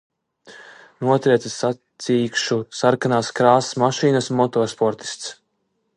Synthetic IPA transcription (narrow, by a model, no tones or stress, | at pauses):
nuɔt̪ɾiɛsesat̪siːkʃusaɾkanaːskɾaːsmaʃiːnɐsmɔt̪ɔːspɔɾt̪i̥st̪s